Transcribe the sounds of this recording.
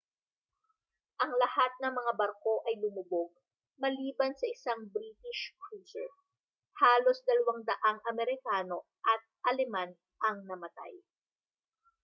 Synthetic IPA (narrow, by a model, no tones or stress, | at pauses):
ʔɐŋlɐhat̪̚nɐŋmɐŋabɐɾko̞ʔɐjlʊmʊboɡ̚ | mɐliːbɐnsɐʔɪsaŋbɾit̪ɪʃkɹuːsɛ | haːlo̞sd̪ɐlɐwaŋd̪ɐʔaŋʔɐmɛɾɪkaːno̞ | ʔɐt̪̚ʔɐlɛman | ʔɐŋnɐmɐt̪a̰j